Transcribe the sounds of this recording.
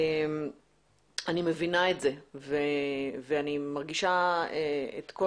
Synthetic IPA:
em | animevinaetzeveveanimaʁɡiʃaeḛt̪ko

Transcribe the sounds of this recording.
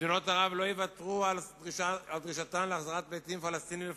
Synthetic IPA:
ino̞t̪aʁavlo̞jevat̪ʁuald̪ʁiaald̪ʁiʃat̪amleaχzaʁat̪̚bejt̪imfalast̪inil

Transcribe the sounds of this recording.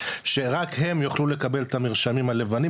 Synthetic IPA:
ʃe̞ʁakɦe̞mjoχlule̞kabe̞lt̪amiʁʃamimhale̞vani

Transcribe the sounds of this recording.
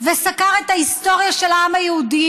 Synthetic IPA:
vesakaʁet̪haist̪o̞ʁjaʃelaamajehud̪i

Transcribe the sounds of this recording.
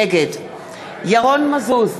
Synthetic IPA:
ɛɡɛd | jaɣɔn̩mazoːz

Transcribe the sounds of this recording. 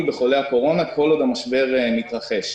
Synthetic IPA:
be̞χo̞leako̞ʁo̞nako̞lo̞d̪amaʃbe̞ʁmit̪ʁaχe̞ʃ

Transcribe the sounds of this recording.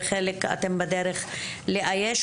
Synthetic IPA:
χeleka̰t̪embad̪eɾeχ | leʔajeʃ

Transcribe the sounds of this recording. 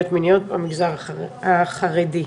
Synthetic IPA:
ot̪minijot̚bamiɡzaʁaaχaʁedi

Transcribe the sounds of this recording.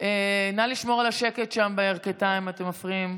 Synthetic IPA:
enaliʃmo̞ʁalaʃeke̞tʃambeeʁketaimate̞mafʁiim

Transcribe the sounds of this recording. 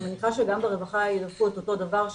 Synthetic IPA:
zenikaʃeɡambeʁevaχailafuet̪oto̞d̪avaʁʃ

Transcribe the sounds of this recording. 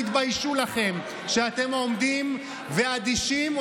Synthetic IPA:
it̪bajʃulaχe̞m | ʃeat̪e̞mo̞md̪im | vead̪iʃim

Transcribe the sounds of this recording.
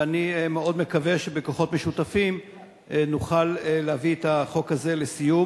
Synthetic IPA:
animeo̞d̪me̞kave̞ʃebekoχo̞tmeʃutafim | nuχaleleaviet̪aχo̞khaze̞lesiju

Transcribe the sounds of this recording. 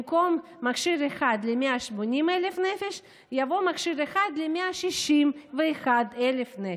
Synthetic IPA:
komː | akʃiɾeχad̪lemeaʃmonʲimelefnefeʃ | javo̞makʃiɾeχad̪lemeaʃiʃimveːχad̪elefne

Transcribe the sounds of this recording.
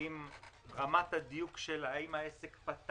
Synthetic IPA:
im | ʁamat̪had̪ijukʃelaimhaesekpat̪

